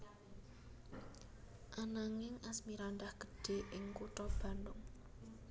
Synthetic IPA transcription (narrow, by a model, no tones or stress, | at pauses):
ʔanaŋɪŋʔasmiɾand̪ahɡ̥ə̤̥ɖ̥e̤ʔɪŋkuʈɔb̥a̤ndʊŋ